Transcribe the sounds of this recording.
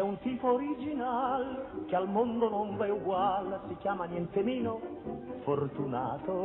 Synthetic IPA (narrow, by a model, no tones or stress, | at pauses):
ɛunt̪iːpoːɾid͡ʒinalkealmond̪onoɱvɛuɡwalsik̟jaːmanjɛnt̪emiːnofort̪una̰ːt̪o